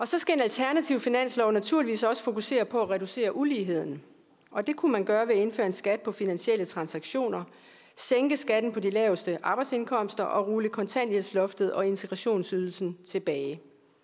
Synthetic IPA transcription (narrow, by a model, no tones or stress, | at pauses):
ɒ̽sɒ̽sɡ̥æe̝nælt͡sʰæɐnæt͡sʰiʊfinæn̰slɒʊnæt͡sʰuɐ̰liʋḭːsɒ̽sə̥fo̝kuse̝̰ːɐpʰɒ̽æʁɛduse̝̰ːɐʔuliːɦe̝ð̞̰ˠn̩ | ʔɒ̽d̥e̝kʰumænɡ̥ɶɐʋe̝e̝nfø̰ːɐe̝nsɡ̥æd̥̚pʰɒ̽finænɕiel̰ət͡sʰʁɑ̈nsɑ̈ɡ̥ɕo̝̰ːnɐ | seŋɡ̥əsɡ̥æd̥n̩pʰɒ̽dilɛːʊsd̥əʔɑ̈b̥ɑ̈ɪdse̝nkʰɒ̽m̰sd̥ɐʔɒ̽ʁuːləkʰɒ̽nt͡sʰæn̰liheslɔ̽fd̥ð̞̩ˠɒ̽e̝nt͡sʰeɡ̥ʁɑ̈ɕo̝̰ːnsyːð̞ˠl̩sn̩t͡sʰe̝b̥ɛːɪ